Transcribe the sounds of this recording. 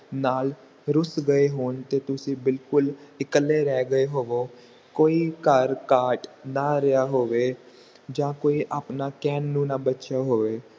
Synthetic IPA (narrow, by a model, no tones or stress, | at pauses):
naːl | ɾʊsɡəeːɦoːnt̪eːt̪ʊsĩːbɪlkʊlɪkəlːeːɾɛːɡəeɦoːʋoː | koːiːkəɾkaːʈnaːɾəjaːɦoːʋeː | d͡ʒãːkoːiːʔaːpnaːkɛːnːũːnaːbətːʃaːɦoːʋeː